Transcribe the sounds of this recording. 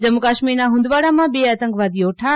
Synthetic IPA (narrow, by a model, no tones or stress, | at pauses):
d͡ʑɐmʊkaːʃminãɦũːnd̪ʋaːɽãmãɓieɐt̪ə̃ŋkʋaːd̪ioːʈʰaː